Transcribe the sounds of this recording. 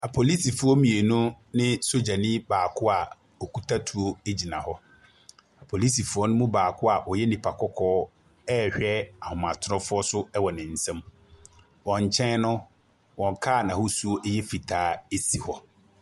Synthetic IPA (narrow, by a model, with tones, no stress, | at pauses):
a˨pʰo˨li˦si˨fʊ˦ɔ˦mĩ˨e˨nũ˦ | nɪ̃˦so˦d͡ʑa˨nĩ˦baː˨kʰʊ˦a˨ | ɔ˨ku˨tʰa˦tʰu˨o˦e˦d͡ʑi˨nã˨hɔ˦ | a˨pʰo˨li˦si˨fʊ˨˦ɔ˦nʊ̃˦mʊ̃˦baː˨kʰʊ˦a˨ʔɔ˨jɛ˦nĩ˨pʰa˨kʰɔ˦kʰɔː˦ | ɛ˦hᶣɛ˦a˨hʊ̃˨mã˨tʰʊ˦ɔ̃˦fʊ˦ɔ˦sʊ˦ɛ˦wɔ˨nɪ̃˨n̩˨sɛ̃˦m | wɔ̃˨ɲ˨t͡ɕʰɛ̃˦nnʊ̃˦ | wɔ̃˨ŋkʰaː˦˨nã˨hɔ˦su˦o˦ʔɛ˦jɛ˦fi˨tʰaː˨˦e˦si˨hɔ˨